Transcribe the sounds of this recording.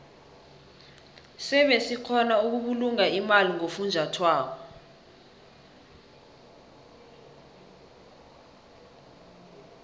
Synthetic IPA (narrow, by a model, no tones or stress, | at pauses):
sɛɓesikʰɔnauk̬uk̬uluŋaimaliŋofund͡ʒʱatʰwaːk̬ɔ